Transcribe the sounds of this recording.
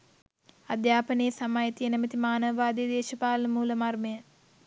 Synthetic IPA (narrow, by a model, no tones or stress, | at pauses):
ɐd̪jaːpɐnejsɐmaːjit̪ijənemit̪imaːnɐʋɐʋaːd̪ejd̪eːʃɐpaːlɐmuːlɐmarmɐjə